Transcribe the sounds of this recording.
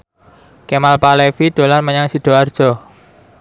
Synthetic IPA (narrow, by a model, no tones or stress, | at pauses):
kemalpalefiɖ̪̥o̤larməɲaŋsiɖ̪̥ɔ̤ard̥ʒ̥ɔ̤